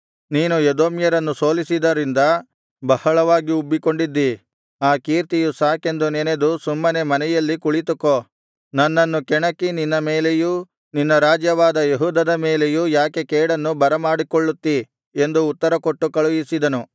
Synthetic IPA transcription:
niːnujed̪o̞ːmjɐɾɐnːuso̞ːlisid̪ɐɾind̪ɐ | bɐhɐɭɐʋaːɡiubːiko̞ɳɖid̪ːi | aːkiːɾt̪ijusaːke̞nd̪unened̪usumːɐne̞mɐnɛjɐlːikuɭit̪uko | nɐnːɐnːukɛɳɐkːininːɐmeːleju | ninːɐɾaːd͡ʒjɐʋaːd̪ɐjeɦuːd̪ɐd̪ɐmeːlejujaːkekɛːɽɐnːubɐɾɐmaːɽikoɭːut̪ːi | e̞nd̪uːt̪ːɐɾɐkoʈːukɐɭujisid̪ɐnu

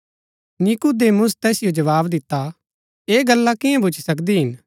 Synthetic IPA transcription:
nikud̪eːmʊs̬t̪ɛːsɪjod͡ʒɐʋaːbd̪ɪt̪ːa | eːɡɐlːakɪjãbʊt͡ʃʰi̥sɐkd̪iɦɪn

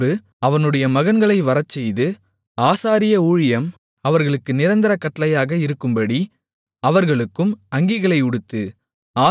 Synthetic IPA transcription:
ɯ | ɐʋɐnɯɽɐjɐmɐɣɐnɡɐɭɐɪʋɐɾɐt͡ʃːɛjðɯ | aːsaːɾɪjɐuːɻɪjɐm | ɐʋɐɾɣɐɭɯkːɯnɪɾɐnd̪ɪɾɐkːɐʈːɐlɐjaːɣɐɪɾɯkːɯmbɐɽi | ɐʋɐɾɣɐɭɯkːɯmɐŋɡɪɣɐɭɐɪʊɽɯt̪ːɯ | aː

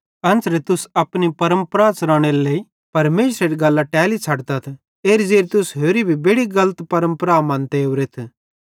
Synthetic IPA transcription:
ɐ̃nsɾet̪ʊsɐpnipɐɾə̃mpɾat͡sɾaːɽ̃eɾlei | pɐɾmeːsɾeɾiɡɐlːaʈɛːlit͡sʰɐɽt̪ɐt̪ʰ | eːɾzeːɾt̪ʊsɦoːɾibʱibeːɽiɡɐlət̪pɐɾə̃mpɾamɐ̃ːnt̪eoʋɾet̪ʰ

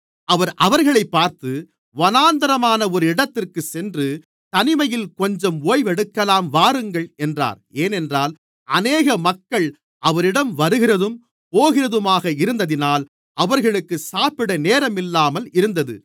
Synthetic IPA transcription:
ɐʋɐɾʔɐʋɐɾɣɐɭɐɪpːaːɾt̪ɯ | ʋɐnaːnd̪ɐɾɐmaːnɐɔɾɯɪɽɐt̪ːɪrkɯsɛndrɯ | t̪ɐnɪmɐjɪlkɔɲd͡ʒɐmoːjʋɛɽɯkːɐlaːmʋaːɾɯŋɡɐɭɛndra̰ːɾeːnɛndraːl | ʔɐneːɣɐmɐkːɐɭ | ʔɐʋɐɾɪɽɐmʋɐɾɯɣɪrɐðɯm | poːɣɪrɐðɯmaːɣɐɪɾɯnd̪ɐðɪnaːl | ɐʋɐɾɣɐɭɯkːɯsaːpɪɽɐneːɾɐmɪlːaːmɐlɪɾɯnd̪ɐðɯ̰

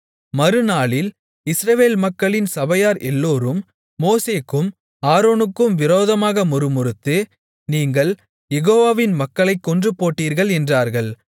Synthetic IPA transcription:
mɐɾɯnaːɭɪl | ɪsɾɐʋeːlmɐkːɐɭɪnsɐbɐjaːɾʔɛlːoːɾɯmː | oːseːkːɯm | aːɾoːnɯkːɯmʋɪɾoːðɐmaːɣɐmʊɾɯmʊɾɯt̪ːɯ | niːŋɡɐɭ | jɛɣoːʋaːʋɪnmɐkːɐɭɐɪkːɔndrɯpoːʈːiːɾɣɐɭɛndraːɾɣɐɭ

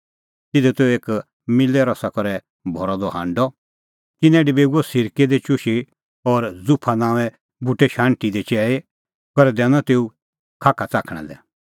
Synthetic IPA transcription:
t̪ɪd̪ɛt̪ɛeːk | mɪlɛɾɔsakɔɾɛ | bʱɔɾɔd̪ɔɦã̰ːɳɖɔ | k̪ɪnɛ̃ɖibeːɡuɔsɪɾked̪et͡ʃʊʃe | ɔɾd͡zʊpʰanãːʋɛ | bʱʊʈːɛʃãːɳʈid̪et͡ʃɛːe | kɔɾɛd̪ɛnãt̪eːu | kʰaːkʰat͡saːkʰɽ̃ɛ̰d̪ɛ̰

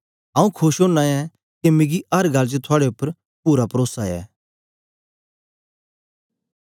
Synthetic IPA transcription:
ɦãːũkʰʊʃɦoːnaɛ | kemɪɡiɐɾɡʱɐld͡ʒet̪ʰʊaːɽeʊpːəɾ | puːɾapɐɾoːsaɛ̰ː

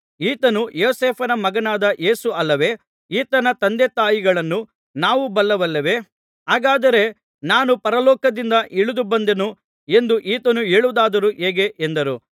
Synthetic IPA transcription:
iːt̪ɐnujoːseːpʰɐnɐmɐɡɐnaːd̪ɐʔeːsuʔɐlːɐʋe̞ː | iːt̪ɐnɐt̪ɐnd̪et̪aːjiɡɐɭɐnːu | naːʋubɐlːɐʋɐlːɐʋe̞ | ɦaːɡaːd̪ɐɾe̞ | naːnupɐɾɐlɔːkɐd̪ind̪ɐʔiɭud̪ubɐnd̪enu | e̞nd̪uʔiːt̪ɐnuɦeːɭud̪aːd̪ɐɾuʔeːɡe̞ʔend̪ɐɾu

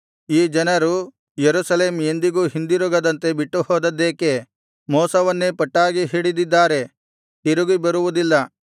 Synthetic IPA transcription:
iːd͡ʒɐnɐɾu | jeɾusɐle̞ːmend̪iɡuːɦind̪iɾuɡɐd̪ɐnt̪e̞biʈːuhɔːd̪ɐd̪ːeːke̞ | mɔːsɐʋɐnːepɐʈːaːɡiɦiːɽid̪id̪ːaːɾe̞ | t̪iɾuɡibɐɾuʋud̪ilːɐ

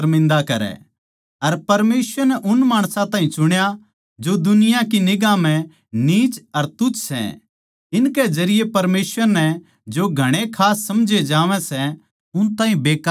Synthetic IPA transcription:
ɾmɪ̃nd̪akɐɾɛ̰ | ɐɾpɐɾmeːsʋəɾnɛʔʊnmaːɽ̃sãt̪aːɦĩt͡ʃʊɽ̃ja | d͡ʒod̪ʊnɪjãkinɪɡãmɛ̃ | niːt͡ʃɐɾt̪ʊt͡ʃsɛ̰̃ | ɪnked͡ʒɐɾɪjepɐɾmeːsʋəɾnɛ | d͡ʒoɡʱɐɽ̃ekʰaːsːɐmd͡ʒʱed͡ʒaːʋɛ̃sɛ | ʊnt̪aːɦĩbeːka

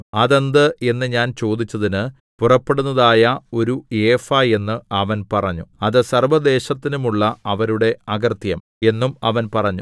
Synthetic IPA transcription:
ɐðend̪ɨe̞nːɨɲaːnt͡ɕo̞ːd̪it͡ɕːɐðinɨ | purɐpːe̞ɽunːɐðaːjɐo̞ɾueːfaje̞nːɨɐʋɐnpɐrɐɲːuɐðɨsɐrʋɐd̪e̞ːɕɐt̪ːinumuɭːɐɐʋɐɾuɽe̞ɐɡɐrt̪jɐm | e̞nːumɐʋɐnpɐrɐɲːu

